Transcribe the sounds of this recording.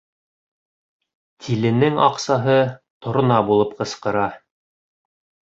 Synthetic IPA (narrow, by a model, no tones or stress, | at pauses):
t̪ʰilɘ̆nɘŋɑ̰qsɑɦɤt̪ŏɾŏnɑbulˠɤpqɤ̆sqɤ̆ɾɑ